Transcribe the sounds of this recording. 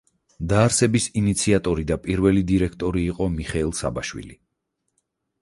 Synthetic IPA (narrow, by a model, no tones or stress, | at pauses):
d̪aːɾsɛbisinit̪sʰiat̪ʼɔɾid̪apʼiɾvɛlid̪iɾɛkʰt̪ʼɔɾiːqʼɔmiχɛːlˠsa̰baʃwḭli